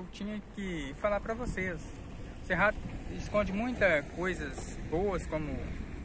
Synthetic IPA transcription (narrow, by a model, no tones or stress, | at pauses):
wt͡ʃĩɲɐkɪfalaɾpɾɐvoses | seɦaɪskõd͡ʒɪmũj̃t̪ɐkojzɐzbowɐskõmʊ